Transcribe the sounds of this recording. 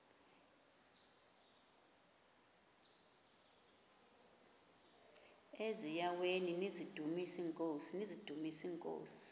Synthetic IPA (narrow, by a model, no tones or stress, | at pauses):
ezijaweninizid̥ʱumisiŋkʼoːsinizid̥ʱumisiːŋkʼo̰ːsi̥